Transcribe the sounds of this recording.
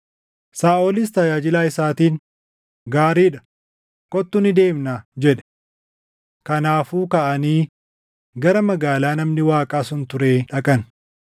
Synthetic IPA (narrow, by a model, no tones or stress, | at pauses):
saːʔɔlɪs̬t̪ɐjaːd͡ʒɪlaːɪsaːt̪iːn | ɡaːɾiːᶑɐ̥ | kʼɔt̪ːʊnɪd̪e̞ːmnaːd͡ʒɛᶑɛ̥ | kɐnaːfuːkɐʔɐniː | ɡɐɾɐmɐɡaːlaːnɐmnɪwaːkʼaːsʊnt̪ʊɾeːᶑɐkʼɐn